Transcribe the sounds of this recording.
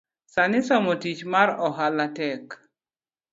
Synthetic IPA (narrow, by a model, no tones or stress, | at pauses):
sanɪsɔmotit͡ʃmaɾɔɦalatɛk